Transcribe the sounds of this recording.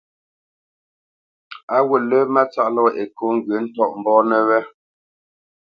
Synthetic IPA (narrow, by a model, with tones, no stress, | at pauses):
a˦wə˨lə˦ma˦t͡sa˦˨ʔlɔ˦ḛ˨ko˨˦ŋ˨ɡə˨˦n̩˦tɔ˦˨ʔm̩˨bɔː˦nə˨wɛ˦